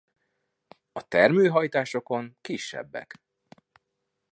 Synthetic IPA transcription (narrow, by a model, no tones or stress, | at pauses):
ɒt̪ɛrmøːɦɒjt̪aːʃo̞ko̞ŋkiʃːɛ̰bːɛ̰k